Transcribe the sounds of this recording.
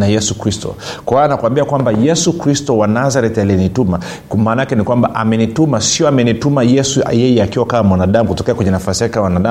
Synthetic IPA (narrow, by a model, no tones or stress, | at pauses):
najɛsukɾistɔ̰kwawanakuambiakwambajɛsukɾistɔwanazaɾɛtalɛnituma | maːnajakɛnikwambaʔamɛnitumasiɔamɛnitumajɛsṵjɛjɛakiwakaːmwanaɗamukutɔkɛakwɛɲanafasiakikawanaɗa